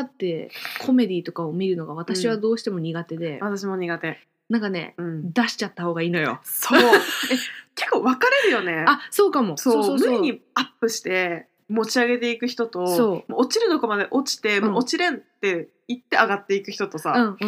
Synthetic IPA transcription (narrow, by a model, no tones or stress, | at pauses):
at̪ːe̞kʰo̞me̞d̪ʲit̪o̞kaomʲiɾɯ̟no̞ɡaβ̞at̪aɕiβ̞ad̪o̞ːɕi̥t̪e̞mo̞ɲ̟iɡat̪e̞d̪e̞βat̪aɕ̬imo̞ɲ̟iɡat̪e̞ | nãŋkane̞̰ɯ̟̃d̪aɕi̥t͡ɕat̪ːaho̞ːɡaiːno̞jo̞̰so | ke̞kːo̞βakaɾe̞ɾɯ̟jo̞ne̞aso̞ːkamo̞sosoːssoːoiɲ̟iapːɯ̟ɕi̥t̪e̞ | mo̞t͡ɕiaɡe̞t̪e̞ikɯ̟çi̥t̪o̞t̪o̞so̞ːmoːt͡ɕiɾɯ̟no̞ko̞mad̪e̞ʔot͡ɕi̥t̪e̞mõːt͡ɕiɾẽ̞nt̪e | it̪ːe̞aɡat̪ːeikɯ̟çi̥t̪o̞t̪o̞saɯ̟̃